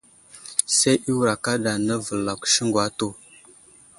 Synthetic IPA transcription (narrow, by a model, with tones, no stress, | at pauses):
se˦jʔi˦wu˨ɾa˨ka˦da˨nə˦və˨lːa˨kʷʃə˦ŋɡwa˦to˦˨